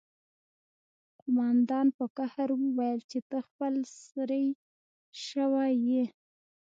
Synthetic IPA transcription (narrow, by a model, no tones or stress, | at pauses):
qʊmɑnd̪ɑnpəkahaɾwəwajəlt͡ʃet̪əxpəlsɾəj | ʃəwaje